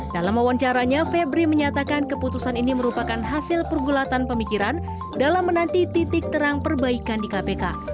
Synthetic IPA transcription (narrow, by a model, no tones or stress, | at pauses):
dalamawaɲt͡ʃaɾaɲafɛbɾiməɲat̪akankəput̪usaniniməɾupakanɦasɪlpərɡulat̪anpəmikiɾan | dalamːənant̪it̪it̪ɪk̚t̪əɾaŋpərbaikandikapeka